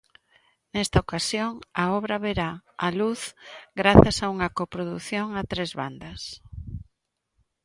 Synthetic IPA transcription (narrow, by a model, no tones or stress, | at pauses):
nest̪aokasjoŋaɔβɾaβeɾaːluθɡɾaθasauŋɐkopɾoðuθjoŋat̪ɾezβa̰nd̪ɐs